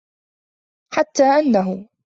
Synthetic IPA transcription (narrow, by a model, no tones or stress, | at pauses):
ħat̪ːaːʔanːaɦʊ